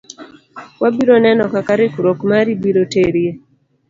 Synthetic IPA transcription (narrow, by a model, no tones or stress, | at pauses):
wabiɾonɛnɔkakaɾɪkuɾokmaɾibiɾoteɾie